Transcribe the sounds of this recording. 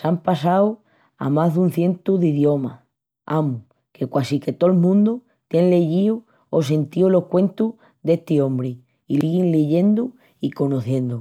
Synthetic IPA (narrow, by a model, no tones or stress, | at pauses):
sampasaw | a̰mazðunθje̞nt̪uðiðjo̞ma | amu | ke̞kwasike̞t̪olmũnd̪u | t̪jenleʝiu | os̬e̞nt̪iolo̞hkwẽ̞nt̪u | ðe̞ht̪iõ̞mbɾi | iliɣinleʝe̞nd̪u | iko̞noθjẽ̞nd̪u